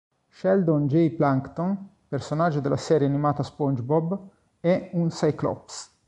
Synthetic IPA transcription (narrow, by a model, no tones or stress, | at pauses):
ʃɛld̪ond͡ʒejplaŋkt̪ɔn | personad͡ʒːod̪elːʔa̰sɛːɾjeanimaːt̪aspɔnd͡ʒbɔb | ɛunsajklɔ̰ps